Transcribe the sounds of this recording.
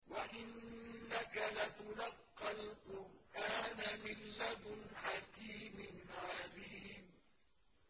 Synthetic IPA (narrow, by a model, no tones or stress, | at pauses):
waʔɪnːakalat̪ʊlɑqːɑlqʊɾʔaːnamɪlːad̪ħakiːmɪnʕɑliːm